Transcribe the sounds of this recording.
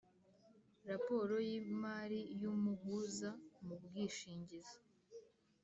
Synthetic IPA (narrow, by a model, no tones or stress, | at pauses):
ɾapo̞ɾo̞jiːmaːɾijumuɡuzamub̚ɡiːʃiːɲɟizḁ